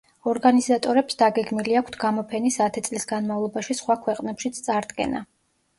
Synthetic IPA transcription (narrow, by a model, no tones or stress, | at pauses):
ɔɾɡanizat̪ʼɔɾɛpsd̪aɡɛɡmiliakʷʰt̪ʰɡ̥amɔpʰɛnisat̪ʰɛt̪sʼlisɡanmavlˠɔbaʃisχwakʰwɛqʼnɛpʃit̪sʰt̪sʼaɾd̪ɡɛ̰na̰